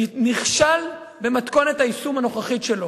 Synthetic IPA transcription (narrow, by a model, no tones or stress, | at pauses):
niχʃal | be̞mat̪ko̞nethaisumano̞χaχitʃelo